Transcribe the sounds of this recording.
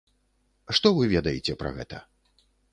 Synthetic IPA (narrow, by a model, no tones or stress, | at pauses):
ʂt̪ɔvɨvʲɛd̪ɐjet͡sʲɛpɾɐ̰ɣɛ̰t̪ɐ